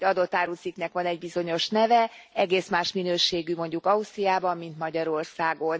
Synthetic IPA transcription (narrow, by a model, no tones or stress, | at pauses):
ɟɒd̪o̞t̪ːaːɾusiknɛkʋɒnɛɟbizo̞ɲo̞ʃnɛvɛ | ɛɡeːsmaːʃminøːʃeːɡymo̞ɲɟukɒust̪rijaːbɒmːint̪mɒɟɒɾo̞rsaːɡo̞n